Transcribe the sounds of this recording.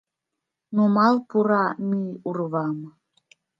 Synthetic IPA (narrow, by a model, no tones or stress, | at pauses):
numɑlˠpuɾɑmʲiurβɑm